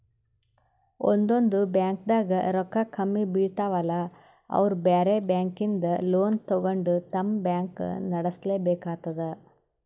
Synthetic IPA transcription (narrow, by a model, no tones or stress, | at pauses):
o̰nd̪ond̪ubjaːŋkd̪aːɡɐɾɔkːɐkʰɐmːibiːɽt̪aːʋɐlɐ | ɐ̰ʋɐɾubaːɾebjaːŋkind̪ɐloːnt̪ɔɡoɳɖut̪ɐmbjaːŋknɐɽɐsleːbeːkaːt̪ːɐd̪e